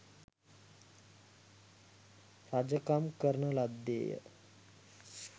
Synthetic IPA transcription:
ɾad͡ʒəkamkəɾɳəlad̪ːḛːjə̰

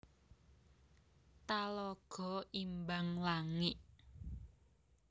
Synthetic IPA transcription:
t̪alɔɡ̥ɔ̤imbaŋlaŋɪʔ

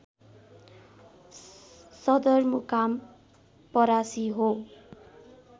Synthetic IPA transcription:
sʌd̪ʌrmukam | pʌɾasiɦo

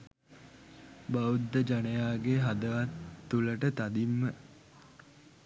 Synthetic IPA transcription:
baud̪ːəd͡ʒanəjaːɡeɦad̪əʋat̪ːuləʈət̪ad̪imːə

